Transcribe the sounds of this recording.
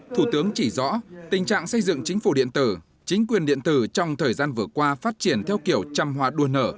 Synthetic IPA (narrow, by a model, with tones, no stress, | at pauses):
t̪ʰu˧˩t̪ɨ˨˦əŋt͡ɕi˧˩zɔ̰˧˥t̪ï˨˩ŋ̟t͡ɕa̰ː˧˨ŋsə˧jzɨ̰˧˨ŋt͡ɕï˨˦ŋ̟fu˧˩ɗḭ˧˨ənt̪ɨ˧˩ | t͡ɕï˨˦ŋ̟kwi˨˩ənɗḭ˧˨ənt̪ɨ˧˩t͡ɕɔ˧wŋ͡mt̪ʰəː˨˩jzaː˧nvɨ˨˩əkwaː˧faː˦˥t̚t͡ɕi˧˩ənt̪ʰɛ˧wki˧˩əwt͡ɕaː˧mɦwaː˧ɗu˧ənəː˧˩